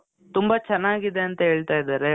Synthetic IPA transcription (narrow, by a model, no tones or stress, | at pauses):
t̪umbɐt͡ʃɛnːaːɡid̪e̞ɐnt̪ɐɦe̞ːɭt̪aːjid̪aːɾe